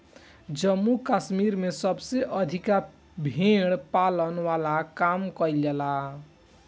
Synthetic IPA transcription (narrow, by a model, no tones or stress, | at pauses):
d͡ʒəmːukasmiɾmesʌbseʔʌd̪ʱika | bʱeɽpalənwalakamkʌjlela